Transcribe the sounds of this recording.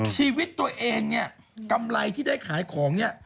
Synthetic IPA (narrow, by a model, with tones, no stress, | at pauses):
t͡ɕʰiː˧wi˦˥t̪ːu˧ɐʔeː˧ŋni˦˥˩ɐ | ka˧mla˧jt̪ʰiː˥˩da˥˩jkʰaː˩˦jkʰɔː˩˦ŋni˥˩ɐ